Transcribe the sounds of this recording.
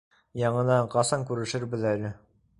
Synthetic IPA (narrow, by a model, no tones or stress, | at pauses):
jɑɴɤ̆nɑɴqɑsɑŋkʉɾɘ̆ʃɘɾbɘðælɘ